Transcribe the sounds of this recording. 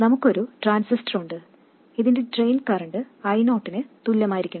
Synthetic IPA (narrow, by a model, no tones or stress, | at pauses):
nɐmukːo̞ɾuʈraːnsistɐruɳɖɨ | iðinde̞ɖrejnkɐrɐɳɖɨ | ɐjno̞ːʈːinɨt̪ulːɐmaːjiɾikʲːuɳ